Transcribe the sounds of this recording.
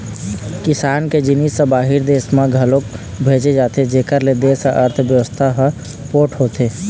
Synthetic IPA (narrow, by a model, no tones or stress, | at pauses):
kɪsaːnked͡ʒinisːə̃baːɦiɾd̪eːsmãɡʱəlok̚ | bʱeːd͡ʒed͡ʒaːt̪ed͡ʒeːkəɾled̪eːsəʔəɾt̪ʰbjəʋəst̪ʰaɦə | poːʈʰɦoːt̪e